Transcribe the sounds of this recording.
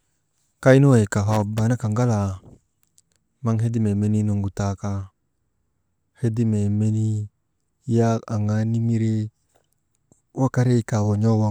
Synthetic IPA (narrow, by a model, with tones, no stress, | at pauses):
ka˦i˦no˦e˨ka˨ɦa˨ba˨˦na˦ka˨ŋɡa˦la˨ | ma˦ŋɦe˦di˦me˨me˦ni˦no˨ŋɡu˨ta˨ka˧ | he˦di˦me˨me˦ni˦ | ja˦a˨ŋa˨ni˦mi˦ɾe˦ | wa˦ka˦ɾe˦˨ka˨wo˨ɲɔ˦wa˦˨